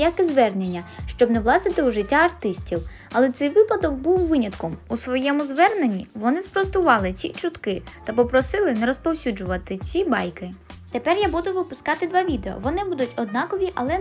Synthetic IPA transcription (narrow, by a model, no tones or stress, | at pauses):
jakɪzʋɛrnenʲːɐʃt͡ʃɔbnɛwlˠɑsɪt̪ɪuʒɪtʲːaɐrt̪ɪsʲtʲiw | ɐlˠɛt̪sɛjʋɪpɐd̪ɔɡ̚buwʋɪnʲɐt̪kɔmusʋɔjɛmʊzʋɛrnenʲiʋɔnɪspɾɔst̪ʊʋɑlˠɪt͡sʲḭt͡ʃʊt̪kɪt̪ɐpɔpɾɔsɪlˠɪnɛɾɔspɔwsʲud͡ʒʊʋɐt̪ɪt͡sʲibɑjkɪ | t̪epɛrjabud̪ʊʋɪpʊskɑt̪ɪd̪ʋɑʋʲid̪eɔ̰ʋɔnɪbud̪ʊtʲɔd̪̚nɑkɔʋʲiʔɐlˠɛ